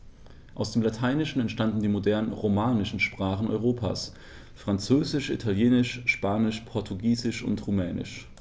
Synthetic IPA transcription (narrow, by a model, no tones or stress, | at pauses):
ʔaʊsd̥eːmlatʰaɪnɪʃn̩ɛntʃtandn̩diːmodɛɐnʁomaːnɪʃn̩ʃpʁ̥aːχn̩ɔ̰ʏʁ̞oːpʰa̰ːs | fʁ̥ant͡søːzɪʃʔḭtʰaljeːnɪʃʃpaːnɪʃpʰɔɐtʰuɡiːzɪʃʊ̰ntʁumɛːnɪ̰ʃ